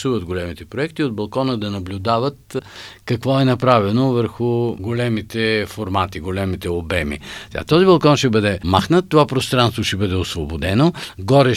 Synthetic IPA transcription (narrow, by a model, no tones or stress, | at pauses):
suvət̪ɡolɛmit̪ɛpɾoɛkt̪iod̪̚bɐlˠkɔnəd̪ɐnɐblʲʊd̪avət̪kɐkvɔɛnɐpɾavɛnovəɾxʊɡolɛmit̪ɛfoɾmat̪iɡolɛmit̪ɛobɛmḭt̪a̰t̪ɔzibɐlˠkɔnʃɛbɤd̪ɛmaxnət̪ːovapɾost̪ɾãnst̪voʃɛbɤd̪ɛosvobod̪ɛnoɡɔɾɛ